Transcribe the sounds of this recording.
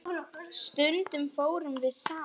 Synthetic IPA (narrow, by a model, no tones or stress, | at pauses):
st̪ʏnt̪ʏmfoːwɾʏmvɪðsa